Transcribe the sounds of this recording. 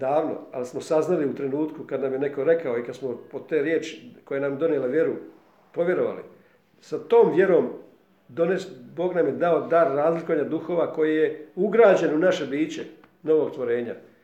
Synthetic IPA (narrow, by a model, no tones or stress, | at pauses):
d̪aːʋno̞̰a̰lismo̞saznaliut̪ɾe̞nuːt̪kukad̪namjene̞ko̞ɾe̞kao̞ikad̪smo̞pot̪eːɾjeːt͡ʃi̥kojenamjed̪o̞nijelaʋje̞ɾu | pɾo̞ʋje̞ɾo̞ʋa̰lḭ | sat̪o̞ːmʋje̞ɾo̞ːm | d̪o̞nesbo̞ːɡnamje̞d̪ao̞d̪aɾːaːzlikoʋaɲad̪uxo̞ːʋako̞jijeuɡɾaːd͡ʑe̞nunaʃe̞biːt͡ɕe | no̞ʋoɡt̪ʋo̞ɾe̞ːɲa̰